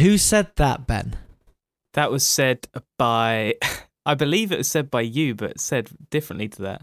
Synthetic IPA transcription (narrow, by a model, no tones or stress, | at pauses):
hʉsɛd̪̚ðəʔ̚b̥ɛ̰̃n | ðəʔwɒz̥sɛdb̥aɪ | aɪbɪliːvɪʔwɒz̥sɛd̚baɪjəbʌ̰tsɛd̚d̥ɪfɹə̃nʔlitʰəðə̰t̚